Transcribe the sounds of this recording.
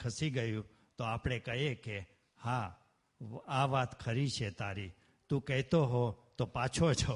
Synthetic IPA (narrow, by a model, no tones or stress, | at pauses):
kʰəsiɡəjũ | t̪oapɽ̃ekəɦeke | ha | aʋat̪kʰəɾit͡ʃʰet̪aɾi | t̪ũkɛɦt̪oɦot̪opat͡ʃʰot͡ʃʰo